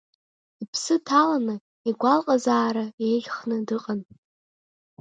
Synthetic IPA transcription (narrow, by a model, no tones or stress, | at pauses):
ipʰsɨtʰalanɨ | iɡʷalqʼazaːɾajeɮʲχnɨdɨqʼan